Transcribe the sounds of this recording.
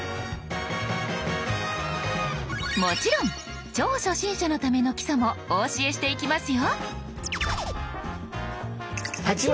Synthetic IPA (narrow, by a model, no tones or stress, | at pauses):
mo̞t͡ɕiɾõ̞ŋ | t͡ɕoːɕo̞ɕĩɰ̃ɕano̞t̪ame̞no̞kʲi̥somooːɕie̞ɕi̥t̪e̞ikʲimasɨjo | hat͡ɕi